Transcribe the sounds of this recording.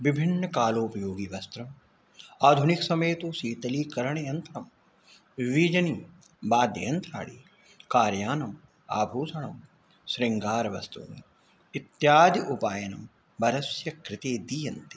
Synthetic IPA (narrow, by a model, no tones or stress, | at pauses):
ʋɪbʱɪnːɐkaːloːpɐjoːɡiːʋɐst̪ɾɐm | aːd̪ʱʊnɪksɐmeːt̪oːsiːt̪ɐliːkɐɾɐɳ̃eːɐnt̪ɾɐm | ʋiːd͡ʒɐniː | baːd̪jɐjɐnt̪ɾa̰ːɽiː | kaːɾjaːnɐm | a̰ːbʱuːsɐɳɐm | sɾɪŋɡaːɾʋɐ̰st̪ṵːnḛ | ɪt̪jaːd̪jʔupaːjɐnɐ̰m | bɐɾɐsjɐkɾɪt̪eːd̪ijɐnt̪i̥